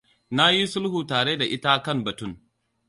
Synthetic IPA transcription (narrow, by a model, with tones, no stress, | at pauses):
na˦ji˦sʊ˦lhuː˨taː˨ɽe˦da˨ʔɪ˦ta˦kɐ˦˨mbɐ˨tʊ˦˨ŋ